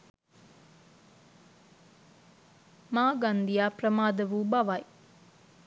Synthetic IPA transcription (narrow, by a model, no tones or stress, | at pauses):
maːɡand̪ijaːprəmaːd̪əʋuːbaʋaj